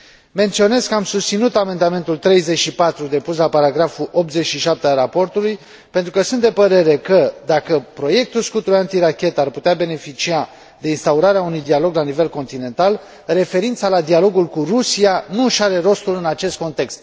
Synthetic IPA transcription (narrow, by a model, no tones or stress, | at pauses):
me̞nt̪sio̞ne̞zkəamsust̪sinut̪ame̞nd̪ame̞nt̪ult̪ɾe̞jze̞t͡ʃʃipat̪ɾud̪e̞puslapaɾaɡɾafuʔo̞p̚t̪ze̞t͡ʃʃiʃap̚t̪ealɾapo̞rt̪uluj | pe̞nt̪ɾukəsunt̪d̪e̞pəɾe̞ɾe̞kəd̪akəpɾo̞je̞k̚t̪ulskut̪uant̪iɾakʲe̞t̪arput̪eabe̞ne̞fit͡ʃia | d̪e̞inst̪auɾaɾeaunujd̪ialo̞ɡlanive̞lko̞nt̪ine̞nt̪al | re̞fe̞ɾint̪salad̪ialo̞ɡulkurusianuʃaɾe̞ɾo̞st̪ulɨnat͡ʃe̞st̪̚ko̞nt̪e̞kst̪